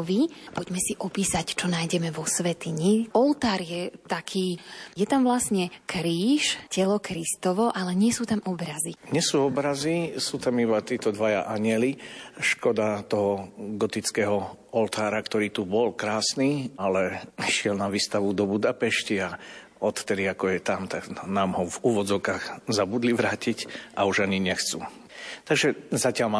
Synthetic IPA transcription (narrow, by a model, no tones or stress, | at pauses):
ʋipɔɟmɛsiʔɔpiːsact͡ʃɔnaːjɟɛmɛʋɔsʋɛt̪iɲiɔlt̪aːɾjɛt̪akʰiːjɛt̪amvlasɲɛkɾiːʃcɛlɔkɾist̪ɔʋɔʔalɛɲɪɛsuːt̪amɔbɾaziɲɛsuːɔbɾazisuːt̪amibat̪iːt̪ɔd̪ʋaja̰ʔaɲɪɛliʃkɔd̪at̪ɔɦɔɡɔt̪it͡skɛːɦɔ | ɔlt̪aːɾakt̪ɔɾiːt̪ubɔlkɾaːsniːalɛiʃɪɛlnaʋiːst̪aʋud̪ɔbud̪apɛʃcia | ɔt̪t̪ɛd̪iakɔjɛt̪amt̪aɡnaːmɦɔvuːʋɔd͡zɔʊkaɣzabud̪liʋɾaːcicʔauʒaɲiɲɛxt͡su | t̪aɡʒɛzacɪalma